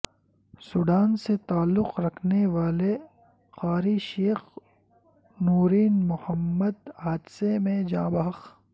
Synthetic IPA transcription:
sʊɖaːnset̪aːlːʊqɾɐkʰneʋaːle | xaːɾiʃeːx | nuːɾiːnmʊhəmːəd̪aːd̪semẽd͡ʒãːbɐɦɐx

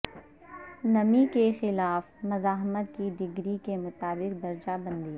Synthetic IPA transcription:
nɐmikexɪlaːfmɐzaːɦmət̪̚kid̪ɪɡɾikemʊt̪aːbɪq̚d̪ɐɾd͡ʒabɐ̃nd̪iː

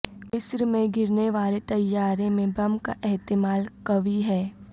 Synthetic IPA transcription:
mɪsɾmẽɡɪɾneʋaːlet̪ɐjːaːɾẽmẽbɐmka̰ʔɛɦt̪ɪmaːlkɐʋiɦɛː

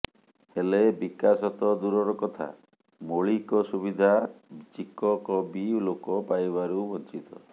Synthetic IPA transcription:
helebikasɔt̪ɔd̪uɾɔɾɔkɔt̪ʰa̰ | moɭikɔsubid̪ʱat͡ʃikɔkɔbilokɔpajβaɾubɔnt͡ʃit̪ɔ̰

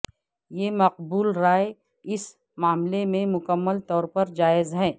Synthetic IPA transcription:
jeːmɐq̚buːlɾaːe | ɪs | maːmlemẽmʊkəmːəlt̪ɔːɾpɐɾd͡ʒaːɪzɦɛː

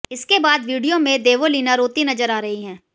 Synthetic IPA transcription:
ɪskebaːd̪ʋiːɖijomẽd̪eːʋoliːnaɾoːt̪inɐzəɾaːɾɐɦiɦɛ̃ː

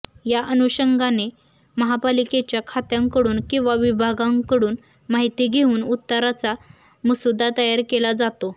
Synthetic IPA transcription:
jaʔənuɕəŋɡʱane | məɦapaliket͡ɕjakʰat̪jãŋkəɽuːnkĩw̃ʋaʋibʱaɡãŋkəɽuːn | maɦit̪iɡʱeuːnut̪ːəɾat͡sa | məsud̪ʱːat̪əjaɾkelad͡zat̪o

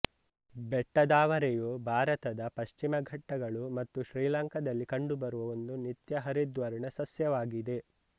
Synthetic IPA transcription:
bɛʈːɐd̪aːʋɐɾejubʱaːɾɐt̪ɐd̪ɐpɐʃt͡ʃimɐɡʱɐʈːɐɡɐɭumɐt̪ːuʃɾiːlɐŋkɐd̪ɐlːikɐɳɖubɐɾuʋɐʋond̪unit̪jɐɦɐɾid̪ʋɐɾiɳɐsɐsjɐʋaːɡid̪e̞

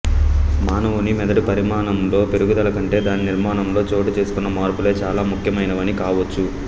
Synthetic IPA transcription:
maːnɐʋunimɛd̪ɐʈipɐɾimaːnɐmlo̞ːpe̞ɾuɡud̪ɐlɐkɐɳʈe̞ːd̪aːniniɾmaːnɐmlo̞ːt͡ʃo̞ːʈit͡ʃe̞ːsu̥kunːɐmaːɾpule̞ːt͡ʃaːlaːmukʰjɐmɐjnɐʋɐnikaːʋɐt͡ʃːu

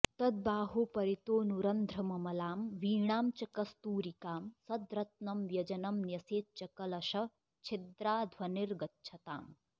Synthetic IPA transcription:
t̪ɐd̪̚baːɦoːpɐɾit̪oːnuɾɐnd̪ʱɾɐmɐmɐlaːmʋiːɳaːmt͡ʃɐkɐst̪uːɾikaːmsɐd̪ɾɐt̪̚nɐmʋjɐd͡ʒɐnɐmnjɐseːt̪̚t͡ʃɐkɐlɐʃɐ | t͡ʃʰid̪ɾaːd̪ʱwɐniɾɡɐtːt͡ʃʰɐt̪a̰ːm

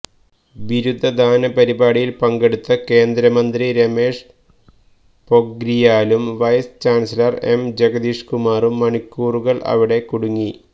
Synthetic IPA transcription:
ʋiɾud̪ʱːɐd̪ʱaːnɐpɐɾibaːɽijilpɐŋɡe̞ɽut̪ːɐke̞ːnd̪ɾɐmɐnd̪riɾeme̞ːʂ | po̞ɡɾijaːlumʋɐjst͡ɕaːnsilɐrḛmd͡ʑeɡɐd̪iːʂkumaːrumːɐɳikʲːuːruɣɐɭʔɐ̰ʋiɽe̞kuɽuŋːi

